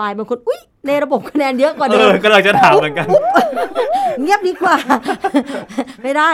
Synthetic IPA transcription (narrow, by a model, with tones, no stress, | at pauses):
aː˧jbaː˧nko˧nʔu˦˥j | na˧jɾa˧bo˨˩p̚kʰa˧nɛː˧njɤ˦˥kɔː˨˩nɤː˧kɔː˥˩ɾaː˧˩t͡ɕa˨˩t̪ʰaː˩˦mɯ˩˦nka˧n˥ | ŋi˦˥əp̚iː˧kwaː˨˩ | ma˥˩jda˥˩